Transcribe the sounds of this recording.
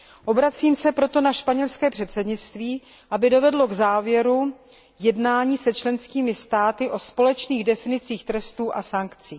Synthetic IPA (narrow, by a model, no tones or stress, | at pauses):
ʔo̞bɾat͡siːmsɛpɾo̞t̪o̞naʃpaɲɛlskɛːpr̝̥ɛt̪sɛdɲɪt͡st̪viː | ʔabɪdo̞vɛdlo̞ɡzaːvjɛɾu | jɛdnaːɲiːsɛt͡ʃlɛnskiːmɪst̪aːt̪ɪʔo̞spo̞lɛt͡ʃniːɣdɛfɪnɪt͡siːxt̪ɾɛst̪uːʔasaŋkt͡siː